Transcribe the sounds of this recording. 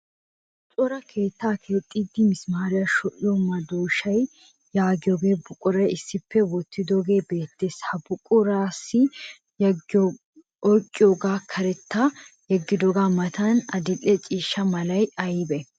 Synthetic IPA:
t͡ʃʼɔɾɐkʰe̞ːt̪ːaːkʰe̞ːt̪ʼːiːd̪ːɪmɪsmaːɾɪjaʃɔʔɪjɔmɐd̪uːʃɐj | jaːɡɪjoːɡeːbʊkʼʊɾɐjɪsːɪpʰːɛwɔt̪ʰːɪd̪oːɡe̞ːbe̞ːt̪ːeːshɐbʊkʼʊɾaːsːɪ | ɔjkʼːɪjoːɡaːkʰɐɾɛt̪ːajɛɡːɪd̪oɡaːmɐt̪ɐnɐd̪ɪlʼɛt͡ʃʼiːʃːɐmɐlɐjɐjbɛ

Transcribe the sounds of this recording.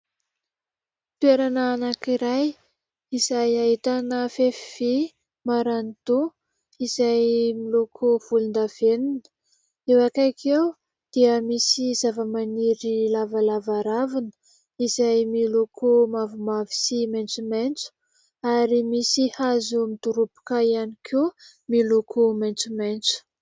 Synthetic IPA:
t̪ueɾanaːnakiɾaj | izajaɦit̪anəfefive | maɾanit̪u | izajmilokʰov̥ulund̪av̥eninə̥ | ewakakʰew | d̪̥iəmisizavəmaniɾilavalavaɾavinə̥ | izajmilokʰomavumavi̥simajnt͡sument͡su̥ | aɾimisihazumit̪uɾupi̥kaianikʰe | milokʰomajnt͡sumejnt͡su̥

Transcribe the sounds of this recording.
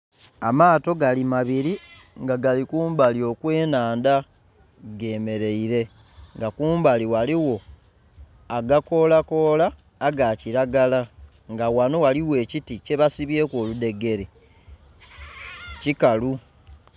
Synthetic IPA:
amaːto̞ɡalimaβiɾi | ŋɡaɡalikuːmbalio̞kwe̞ːnaːnda | ɡe̞ːme̞ɾe̞iɾe̞ | ŋɡakuːmbaliwaliwo̞ | aɡako̞lako̞laː | ɡaciɾaɡala | ŋɡawano̞waliwe̞ːcitice̞βasiβje̞ːkwo̞ːlude̞ɡe̞ɾi | cikalu

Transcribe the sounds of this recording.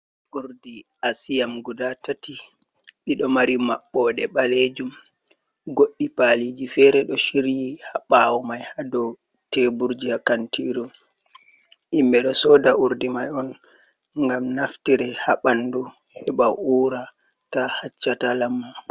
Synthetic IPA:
ʔuɾdiʔasijamɡudatati | ɓiɗɔmaɾimaɓːɔɗɛɓaled͡ʒum | ɡoɗːipalid͡ʒifɛɾɛɗɔʃiɾjihaɓawɔmajhadɔw | tebuɾd͡ʒiakantʰiɾu | ʔimbɛɗɔsɔdaʔuɾdimajɔn | ŋɡamnaftiɾɛhaɓandu | hɛɓawuːɾa | tahat͡ʃːatalamːa

